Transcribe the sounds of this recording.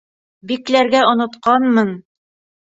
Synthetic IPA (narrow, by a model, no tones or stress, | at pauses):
biklæɾɡæŏnŏt̪qɑnmɤn